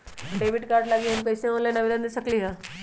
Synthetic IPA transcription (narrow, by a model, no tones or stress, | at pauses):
ʈebiʈkaɾɖlaɡiɦenpəjsemolanəʋid̪and̪esəkliːɦa